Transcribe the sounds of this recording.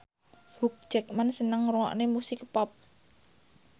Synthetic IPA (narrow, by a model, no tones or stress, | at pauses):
huk̚d̥d͡ʒ̥ɛ̤k̚mansənəŋruŋɔ̰ʔnemusɪkpɔp̚